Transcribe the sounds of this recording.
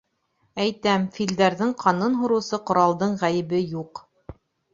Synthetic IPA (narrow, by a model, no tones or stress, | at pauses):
æjt̪æmfild̪æɾðɘŋqʰɑnɤnɦŭɾɤ̆wsɤqŏɾɑlˠd̪ɤɴʁæjɘ̆βɘjuq